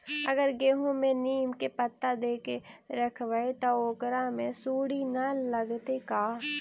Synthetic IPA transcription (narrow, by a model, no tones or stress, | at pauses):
əɡəɾɡeːɦõmẽniːmkepət̪ːad̪eːkeɾəkʰʋəet̪aoːkəɾãmẽsuːɽinaləɡt̪ekaː